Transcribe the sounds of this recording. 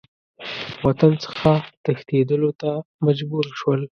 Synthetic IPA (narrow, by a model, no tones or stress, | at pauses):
wat̪ant͡sə̥xat̪əxt̪ed̪əlot̪amad͡ʒbuɾʃwəl